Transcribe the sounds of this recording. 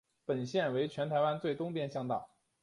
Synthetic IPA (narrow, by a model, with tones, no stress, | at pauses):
pə˨˩nɕjɛ˥˩nwe˧˥ɪt͡ɕʰɥɛ˧˥nt̪ʰa˧˥ɪwa˥nt͡swe˥˩ɪt̪ʊ˥ŋpjɛ˥˧nɕjɑ˥˧ŋt̪ɑ˥˩ʊ